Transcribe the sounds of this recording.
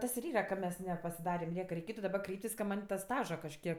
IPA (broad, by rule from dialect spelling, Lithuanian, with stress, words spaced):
ˈtɐs ɪr ˈiːrɐ kɐ ˈmʲɛs nʲɛpɐsʲɪˈdɑːrʲɛm ˈnʲiɛkɐ rʲɛɪˈkʲeːtʊ dɐˈbɐ ˈkrʲɛɪpʲtʲɪs kɐ ˈmɐnʲ tɐ ˈstɑːʒɐ kɐʃʲˈkʲiɛk